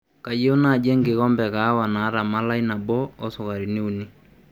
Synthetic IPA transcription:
ka˨je˦u˦na˦˨d͡ʒɛ˦ŋɡɪ˨ɣɔ˦mbɛ˨ka˨˦wa˨na˨˦ɾa˨ma˦la˦i˦na˨bɔ˦ɔ˦sʊ˨ɣa˨ɾi˨ne˦u˨ni˦

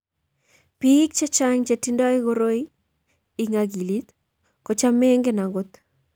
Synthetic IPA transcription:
pi˦k̚t͡ʃe˦t͡ʃa˦ŋt͡ʃe˨ti˦ndɔ˦i˦ɣoɾo˦i˦ | i˨ŋa˨ɡi˨li˦t̪ | ko˨t͡ʃa˦me˦ŋɡe˦na˨ŋɡo˦t̪

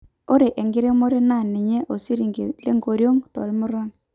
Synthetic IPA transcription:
o˦ɾe˨ʔe˨ŋɡɪ˦ɾe˦mo˦ɾo˦na˦˨nɪ˨ɲe˦ʔo˨si˦ɾi˨ŋɡe˨le˦ŋɡo˨ɾjo˦ŋtɔ̰˨lmʊ˦ɾa˦n

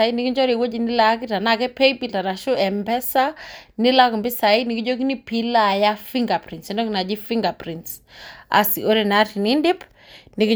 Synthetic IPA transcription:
a˨i˦ni˨ki˦ɲd͡ʒɔ˦ɾi˨wo˦d͡ʒi˨ni˦la˦k̬i˦ta˨na˦kɛ˦pɛ˦jpi˦ta˨ɾa˨ʃu˦ɛ˨mbɛ˦sa˦nɪ˦la˦ku˨mbi˦sa˨ini˨ki˦d͡ʒo˦k̬i˦ni˦pi˦la˨ja˦fi˦ŋɡa˨pɾi˨ntsɛ˨ndɔ˦kina˨d͡ʒi˦fiŋɡa˨pɾintsa̰˨siʔo˦ɾe˨na˦ti˨ni˦ndi˦p | ni˨ki˦

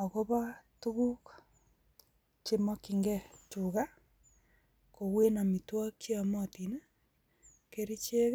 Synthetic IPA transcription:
o˨ɣo˦βa˦tu˦ɣu˦k | t͡ʃe˦mɔ˦kiŋɡɛ˦t͡ʃuɣa˦ | ko˨ɣwe˦na˨mi˨twa˦kja˨mɔ˦ti˨na˦ | ke˦ɾi˦t͡ʃe˦ɣ

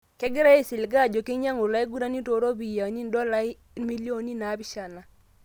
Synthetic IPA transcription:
kɛ˦ɡɪ˦ɾa˦e˦˨sɪ˨lɡa˦˨d͡ʒo˨ke˦ɲa˦ŋo˨la˦e˦ɡu˦ɾa˦ni˦to˨˦ɾo˦bi˨ja˨ni˦n˦dɔ˦la˦i˦mi˦lo˦˨ni˦na˨˦bi˦ʃa˨na˨

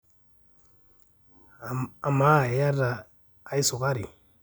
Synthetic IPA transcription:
a˨ma˦˨ɛ˨ja˦ɾaː˨ | i˦su˨ka˦ɾḭ˨

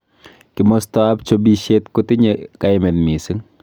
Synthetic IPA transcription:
kɪ˨mɔ˦stɔap̚t͡ʃobiʃe˦tkʊ˦tɪ˦ɲekaɪme˨nmi˨sɨ˦ŋ

